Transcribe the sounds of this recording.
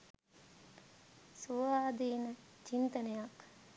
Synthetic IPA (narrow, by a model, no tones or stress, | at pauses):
suʋaːd̪iːnət͡ʃint̪ənejak